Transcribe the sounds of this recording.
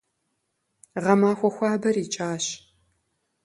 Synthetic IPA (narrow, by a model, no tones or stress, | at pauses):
ʁɐmaːxʷɔxʷɑːbɐriːt͡ʃʼaːɕ